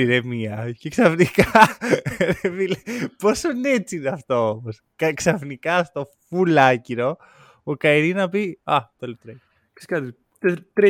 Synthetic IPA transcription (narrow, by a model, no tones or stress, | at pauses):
iɾemiɐceksɐfnikɐ | ɾevilepo̞soineet͡siineɐft̪o̞omos | kɐksɐfnikɐst̪o̞fulɐciɾo̞ | okɐiɾinɐpiɐt̪elt̪ɾe | ki̥skɐt̪i | t̪et̪ɾe